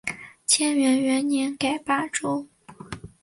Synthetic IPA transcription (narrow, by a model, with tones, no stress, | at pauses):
t͡ɕʰjɛ˥nɥɛ˧˥nɥɛ˧˥nnjɛ˧˥nka˨˩ɪpa˥˩ʈ͡ʂo˥ʊ